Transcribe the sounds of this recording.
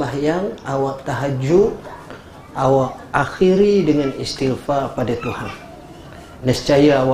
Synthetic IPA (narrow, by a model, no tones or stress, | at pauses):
ahjaŋawaʔt̪aɦad͡ʒuʔ | ʔawaʔaxiɾidəŋanist̪ilfapadat̪uhanː | əst͡ʃajaawa